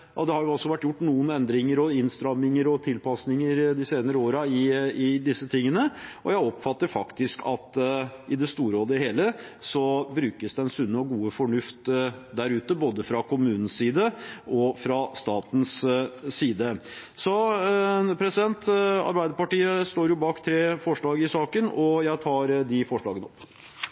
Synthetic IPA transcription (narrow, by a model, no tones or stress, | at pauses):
ɑd̪ɛhɑɾjʊɑsːɔʋæʈːjʊʈːnuːənɛnd̪ɾɪŋəɾɔɪnst̪ɾɑmnɪŋəɾɔt̪ʰɪlpɑsnɪŋəɾd̪ɪseːnəɾəoːɾɑɪɪd̪ɪsːət̪ʰɪŋːənəɔjæɪɔpfɑt̪ːəɾfɑkt̪ɪskʰɑt̪ʔɪd̪ɛst̪uːɾoːd̪əheːləsɔbɾʉːkəsd̪ɛɛnsʉnːəɔɡuːəfɔɳʉft̪d̪æɾʉːt̪əboːd̪əfɾɑkʰʊmʉːnn̩siːd̪əʔɔfɾɑst̪ɑːt̪n̩sː | iːd̪əsɔ | pʰɾɛsɪd̪ɛnt̪ɑ̰ɾbæɪd̪əpɑʈiːəst̪oːɾjʊbɑːkt̪ʰɾeːfɔʂɭɑːɡɪsɑːkənɔjæɪt̪ʰɑːɾd̪ɪfɔʂɭɑːɡənɔpː